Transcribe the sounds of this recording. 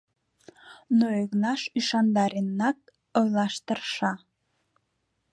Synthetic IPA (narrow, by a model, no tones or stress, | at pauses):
noeɣnɑʃiʃɑnd̪ɑɾinːɑk̚ | ojlˠɑʃt̪ərʃɑ